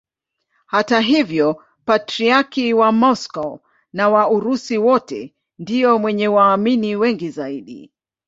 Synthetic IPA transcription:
hataɦivjɔ | patɾiakiwamɔskɔ | nawauɾusiwɔtɛ̰ | ndiɔmwɛɲɛwaːminiwɛŋɡizaiɗḭ

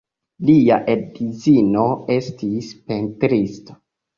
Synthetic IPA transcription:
liaʔedizino̞e̞stispe̞ntɾisto̥

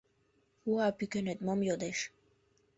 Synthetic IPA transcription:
uapykønet̪mɔmjod̪eʃ

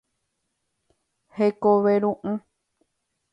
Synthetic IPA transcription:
hekoβeɾũʔɨ̃

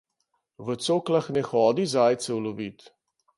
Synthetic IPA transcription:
ʋət̪soːklaxnɛxɔːd̪izaːjt̪sɛwlɔʋiːt̪

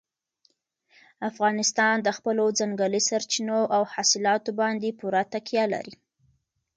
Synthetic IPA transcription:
afɣɑnɪst̪ɑnd̪əxpəlod͡zaŋɡəlisaɾt͡ʃinoʔawhasɪlɑt̪obɑnd̪epuɾat̪akjɑla̰ɾi

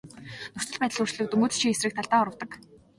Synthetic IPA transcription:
nʊr̥t͡ɕə̆ɮpæt̪ə̆ɮurt͡ɕɮɘ̆k̚t̪ɵŋɡɵːt͡st͡ɕʰiŋesrɘ̆kt̪ʰaɮt̪aːɔɾə̆wt̪ə̆k

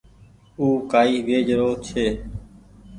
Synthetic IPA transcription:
uːkaːiːʋeːd͡ʒɾoːt͡ʃʰeː

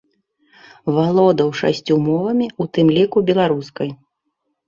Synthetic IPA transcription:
valˠɔd̪ɐwʂa̰sʲt͡sʲumɔvɐmʲiut̪ɨmlʲikubʲɛlˠaɾuskɐj

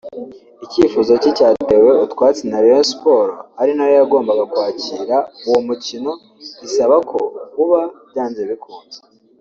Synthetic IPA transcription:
iciːfuzo̞cicaːte̞we̞utkwaːt͡senaɾeespo̞ɾoaɾinajojaɡo̞ːmbaɡakwaːciːɾauwomucino̞ | ɟ̥isaβakʰo̞kuβaβɟaːnzeβikuːnze̥

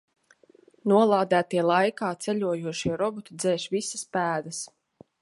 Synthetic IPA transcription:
nuɔlˠaːd̪æːt̪iɛlˠajkaːt̪sɛlʲuɔjuɔʃiɛɾɔbɔt̪ud̪zɛːʃvisaspæːd̪ɐs

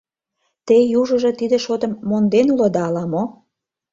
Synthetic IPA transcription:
t̪ejuʒə̆ʒɤ̆t̪id̪ĕʃot̪ə̆mːond̪enulod̪ɑːlɑmo

